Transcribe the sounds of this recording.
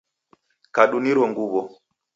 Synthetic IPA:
kaɗuniɾwɔŋɡuβɔ

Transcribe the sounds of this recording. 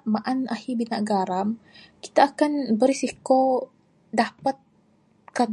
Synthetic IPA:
maʔanahibinaʔɡaɾam | ki̥t̪aːkanbəɾisiko | dapat̪̚ | kad

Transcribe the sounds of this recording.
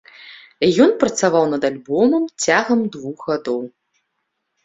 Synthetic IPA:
jɔnpɾɐt̪savawnɐd̪alʲbɔmɐmt͡sʲaɣɐmd̪vuxɣad̪ɔw

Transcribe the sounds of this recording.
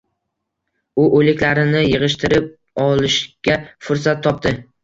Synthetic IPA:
ʊʔolɪkʲlaɾɪnɪjɨʁɨʃt̪ʰɪɾɪp̚ | ɒlɪʃɡʲafʊɾsat̪ʰːɒp̚t̪ɪ

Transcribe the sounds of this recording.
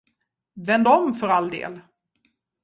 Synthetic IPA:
vɛnd̪ɔmfœɾald̪ḛːl

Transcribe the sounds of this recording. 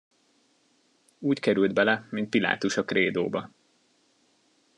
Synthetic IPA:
uːckɛɾyld̪bɛlɛmint̪̚pila̰ːt̪uʃɒkreːd̪oːbɒ

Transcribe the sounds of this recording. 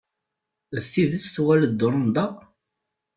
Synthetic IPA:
ðθiðəsθwæləd̪ːʊɾˤnd̪ˤɑ

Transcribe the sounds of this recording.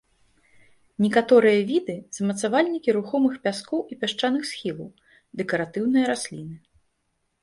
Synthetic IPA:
nʲɛkat̪ɔɾɨjɐvʲid̪ɨzɐmɐt̪savalʲnʲikʲiɾuxɔmɨxpʲaskɔwʔipʲaʂt͡ʂanɨxsxʲilˠɐw | d̪ɛkɐɾat̪ɨwnɨjɐɾasʲlʲinɨ

